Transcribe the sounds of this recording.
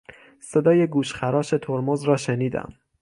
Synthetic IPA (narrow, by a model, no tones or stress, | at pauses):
se̞d̪ɒːje̞ɡuːʃxæɾɒːʃe̞t̪ʰoɾmozɾɒːʃeniːd̪æ̰m